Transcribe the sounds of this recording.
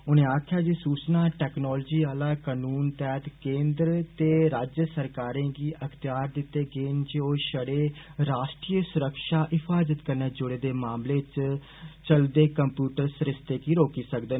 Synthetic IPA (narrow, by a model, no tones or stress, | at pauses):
ʊnẽːaːkʰjaːd͡ʒisuːt͡ʃnaːʈɛːknɔːld͡ʒiːaːlaːkanuːnt̪ɛːt̪kẽːnd̪ɾt̪eːɾaːd͡ʒjəsəɾkaːɾẽːɡiːʔəkʰt̪ɪjaːɾd̪ɪt̪ːeːɡeːnd͡ʒeoːʃəɽeːɾaːʃʈɾiːjəsʊɾəkʃaːʔɪpʰaːzət̪kəɾneːd͡ʒʊɽeːd̪eːmaːmleːt͡ʃ | t͡ʃəld̪eːkəmpjuːʈəɾsɾɪst̪eːkiːɾoːkiːsəkd̪ən